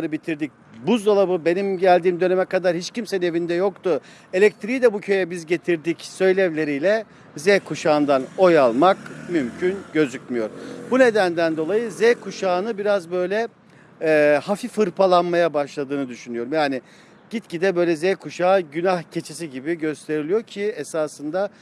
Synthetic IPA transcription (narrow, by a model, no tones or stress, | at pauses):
ɾɯbit̪ʰiɾd̪ic̚ | buzd̪alˠabɯbe̞nimɟælʲd̪iːmd̪ø̞nemɛkad̪aɾhit͡ʃcimsɛnevind̪ɛjo̞kt̪ʊ | elʲɛc̚t̪ʰɾid̪ɛbucʰø̞jɛbizɟe̞t̪ʰiɾd̪icsø̞jlʲɛvlʲe̞ɾijlʲɛ | zɛkʰuʃaɯnd̪ano̞jalˠmakmymcʰynɟø̞zycmijo̞ɾbune̞d̪ænd̪ænd̪o̞lˠajɯzɛkʰuʃaːnɯbiɾazbø̞jlʲɛ | hafifɯɾpʰalˠanmajabaʃlˠad̪ɯːnɯd̪yʃynyjo̞ɾumjaːnɪ | ɟ̥it̪cid̪ɛbø̞jlʲɛzɛkʰuʃaːɟynahcʰe̞t͡ʃʰis̬iɟibiɟø̞st̪ʰe̞ɾilʲijoɾcʰiesaːsɯnd̪a